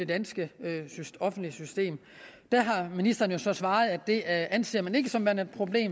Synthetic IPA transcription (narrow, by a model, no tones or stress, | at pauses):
e̝d̥ænsɡ̥əyɒ̽fn̩d̥lisysd̥e̝̰ːm | d̥æɦɑ̈minisd̥ɐn̩jo̝sɒ̽sʋɑ̈ːð̞̩ˠæd̥e̝ænse̝ːɐmæne̝ɡ̥əsɒ̽mmænæd̥̚pʰʁo̝b̥le̝̰ːm